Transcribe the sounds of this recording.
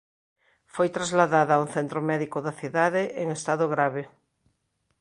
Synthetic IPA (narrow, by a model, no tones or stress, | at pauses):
fojt̪ɾazlaðaðaaunθent̪ɾomɛðikoðaθjuðaðeʔeŋest̪aðoɣɾaβe